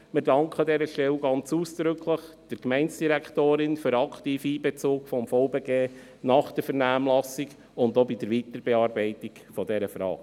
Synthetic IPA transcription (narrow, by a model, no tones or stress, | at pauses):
mɪɾdɑŋkχədɛɾəʃtɛwɡɑnt͡suːsd̥ɾʏkʰləχd̥əɾkmɛɪnsd̥iɾæktoːɾɪnfyɾɑkʰtiːfiːbɛt͡sʊːkfɔmfɔʊbeɡeː | nɑχd̥əɾfɛɾnæːmlɑsiɡ | ʊndobid̥əɾʋiːtəɾbɛɑːɾbɛɪtikfɔdɛɾəfɾɑ̰ːk